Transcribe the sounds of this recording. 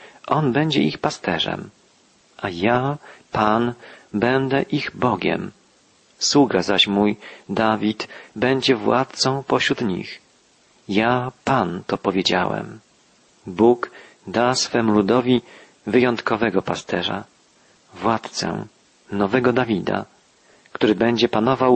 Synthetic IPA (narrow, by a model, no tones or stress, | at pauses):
ʔɔnbɛɲd͡ʑɛʔixpast̪ɛʐɛ̰m | ʔajapanbɛnd̪ɛʔiɣbɔɡʲɛ̰m | swuɡazaɕmujd̪avʲit̪bɛɲd͡ʑɛvwa̰t̪̚t̪sɔ̃w̃pɔɕɾut̪ɲḭx | japant̪ɔpɔvʲjed͡ʑa̰wɛ̰m | buɡ | d̪asfɛmulud̪ɔvʲi | vɘjɔnt̪kɔvɛɡɔpast̪ɛʐa̰ | vwat̪t̪sɛ̰ | nɔvɛɡɔd̪avʲid̪a̰ | kt̪uɾɘbɛɲd͡ʑɛpanɔvaw